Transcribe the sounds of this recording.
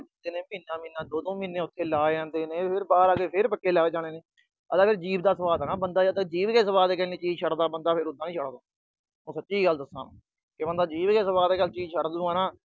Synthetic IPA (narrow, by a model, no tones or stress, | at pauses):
d̪eːnẽːmiːnːãːmĩːnːãːd̪oːd̪õːmĩːnːẽːʊt̪ʰːeːlaːd͡ʒãːnd̪eːnẽːpʰɪɾbaːɾaːɡeːpʰɪɾpəkːeːlaːɡd͡ʒaːɽ̃eːneː | ət̪ãːpʰɪɾd͡ʒiːbd̪aːsəʋaːd̪aːnãːbənd̪aːət̪ẽːd͡ʒiːbɡeːsəʋaːd̪eːkɛːniːt͡ʃiːd͡ʒʃʰəɽd̪aːbənd̪aːpʰɪɾʊd̪ːãːnĩːʃʰəɽd̪õː | õːsətːt͡ʃːiːɡəld̪əsã̰ː | kebənd̪aːd͡ʒiːbɡeːsəbaːd̪eːɡəlt͡ʃiːzʃʰəɽd̪uːaːnãː